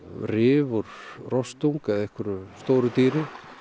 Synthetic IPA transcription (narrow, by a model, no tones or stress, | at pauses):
rɪːvɔɾrɔst̪uŋkɛðɛhkʏɾʏst̪oːwɾʏt̪iːɾɪ